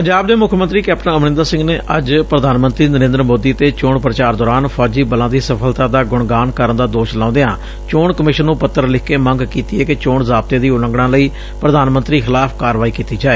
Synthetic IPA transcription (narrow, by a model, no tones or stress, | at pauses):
pəɲd͡ʒaːb̚d̪eːmʊkʰmə̃nt̪ɾiːkɛːp̚ʈə̃nəmnɪ̃nd̪aːsɪ̃ŋɡneːʔəd͡ʒpɾəd̪ʱaːnmənt̪ɾiːnəɾẽːnd̪ɾəmoːd̪iːt̪eːt͡ʃoːɳpɾət͡ʃaːɾd̪ɔːɾaːnpʰɔːd͡ʒiːbəlãːd̪iːsəpʰəlt̪ãːd̪aːɡʊɳɡaːnkəɾənd̪aːd̪oːʃlãːʊ̃nd̪ejãː | t͡ʃoːɳkəmɪʃənːũːpət̪ːəɾlɪkːeːməŋɡkiːt̪iːɛːkɪt͡ʃoːɳzaːb̚t̪eːd̪iːʊləŋɡɽãːləiː | pɾəd̪aːnmənt̪ɾiːxʰɪlaːpʰkaːɾʋaːiːkiːt̪iːd͡ʒaːeː